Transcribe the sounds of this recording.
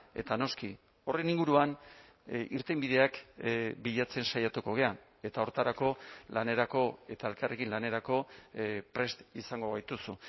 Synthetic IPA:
e̞̰t̪ano̞ski | o̞reniŋɡuɾuan | iɾt̪embiðe̞akbiʎat͡se̞nsajat̪uko̞ɣ̞e̞a | e̞t̪ao̞ɾt̪aɾako̞lane̞ɾako̞e̞t̪ae̞lkarʔe̞kinlane̞ɾako̞pɾe̞st̪isaŋɡo̞β̞ajt̪usu

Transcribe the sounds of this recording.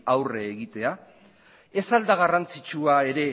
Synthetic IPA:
awre̞ːɣit̪e̞a | e̞sald̪aɣ̞arant͡sit͡ʃuae̞ɾe̞

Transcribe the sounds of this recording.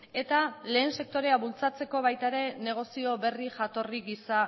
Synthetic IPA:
e̞t̪ale̞ːnse̞k̚t̪o̞ɾe̞aβult͡sat͡se̞ko̞β̞ajt̪aɾe̞ne̞ɣ̞o̞sio̞βe̞riʝat̪o̞riɡisa

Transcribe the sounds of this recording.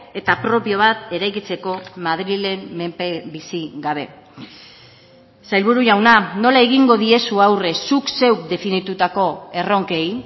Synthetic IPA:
e̞t̪apɾo̞pio̞β̞at̪e̞ɾajkit͡se̞ko̞mað̞ɾile̞mmempebisiɡaβ̞e̞ | sajlβuɾuʝawnano̞laeɣiŋɡo̞ðie̞suawre̞sukse̞wkd̪e̞finit̪ut̪ako̞e̞ro̞ŋke̞j

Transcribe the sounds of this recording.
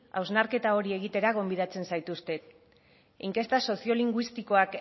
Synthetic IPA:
a̰wznaɾke̞t̪ao̞ɾie̞ɣit̪e̞ɾaɣo̞mbiðat͡se̞nsajt̪ust̪e̞ | iŋke̞st̪aso̞sio̞liŋɡwist̪iko̞ak

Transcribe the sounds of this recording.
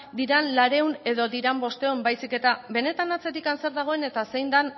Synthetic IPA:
d̪iɾanlaɾe̞une̞ðo̞d̪iɾambo̞st̪e̞mbajsike̞t̪abe̞ne̞t̪anat͡se̞ɾikanse̞ɾðaɣ̞o̞e̞ne̞t̪ase̞jnd̪an

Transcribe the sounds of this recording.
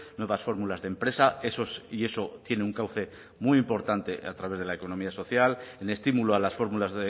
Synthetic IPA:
nwe̞β̞asfo̞ɾmulazðe̞mpɾe̞sae̞sosie̞sot̪je̞neuŋkawθe̞ | mujimpo̞ɾt̪ant̪e̞a̰t̪ɾaβe̞zð̞e̞laeko̞no̞miaso̞θjalene̞st̪imuloalasfo̞ɾmulazðe

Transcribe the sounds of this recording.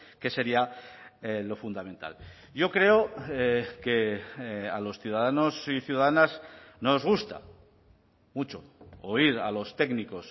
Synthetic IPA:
ke̞se̞ɾiaelo̞fund̪amẽ̞nt̪a̰l | ʝo̞kɾe̞o | ke | alo̞sθjuðaðano̞siθjuðaðanaznozɣ̞ust̪a̰ | mut͡ʃo̞oiɾa̰lo̞st̪e̞ɡniko̞s

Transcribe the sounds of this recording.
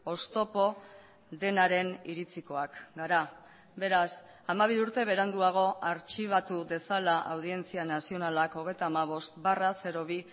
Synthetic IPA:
o̞st̪o̞po̞ | ðe̞naɾe̞niɾit͡siko̞akɡaɾa | be̞ɾas | amaβ̞iuɾt̪e̞β̞e̞ɾand̪uaɣ̞o̞ʔaɾt͡ʃiβ̞at̪uðe̞salaʔa̰wð̞ie̞nt͡sianasio̞nalako̞ɣ̞e̞jt̪aːmaβ̞o̞st̪barase̞ɾo̞β̞i

